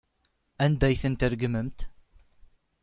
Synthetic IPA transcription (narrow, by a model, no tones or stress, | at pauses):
ænd̪æjθənt̪əɾɡməmt̪